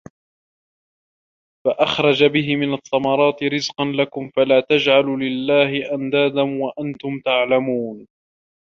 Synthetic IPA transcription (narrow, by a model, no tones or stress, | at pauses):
faʔaxɾˤɑd͡ʒabɪɦɪmɪnɑt̪ˤːɑmɑɾˤɑːt̪ɪɾɪzqɑnlakʊmfalaːt̪ad͡ʒʕallɪlːaːhɪʔamd̪aːd̪anwaʔant̪ʊmt̪aʕlamuːn